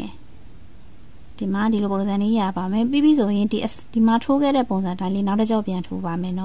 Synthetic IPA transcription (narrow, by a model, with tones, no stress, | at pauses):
d̥i˨ma˨di˨lo˨põ˨ʊ̃zã˨ni˦ja˨ba˨mɛ˨pi˦˨bi˦˨sʰo˨jɪ̃˨ʔ | d̥i˨ma˨tʰo˦ɡɛ̰˦˨ɾɛ˦˨po˨ʊ̃zã˨tã˦ɪ̃le˦na˦tə˦t͡ɕã˦˨pjã˨ntʰo̰˦ba˨mɛ˨nɔ˦